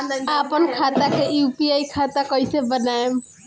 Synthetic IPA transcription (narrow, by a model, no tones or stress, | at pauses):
apɔnkʰat̪akeupiajkʰat̪akɔjsebɔnaem